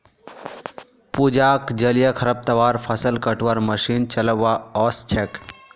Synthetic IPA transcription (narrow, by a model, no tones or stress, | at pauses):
pud͡ʒaːkd͡ʒəljakʰɐɾəp̚t̪ɐʋaːɾpʰəsəlkəʈʋaɾməʃint͡ʃələʋaɔːst͡ʃʰek